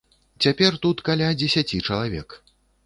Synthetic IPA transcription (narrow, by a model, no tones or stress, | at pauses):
t͡sʲapʲɛrt̪ut̪kalʲad͡zʲɛsʲat͡sʲit͡ʂɐlˠavʲɛ̰k